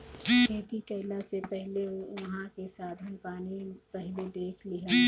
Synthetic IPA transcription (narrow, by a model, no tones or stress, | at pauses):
keːt̪iʈeːlasepɛɦleʋɐɦãkesaːd̪ʱənpaːnipɛɦled̪eːt͡ʃʰlɪɦa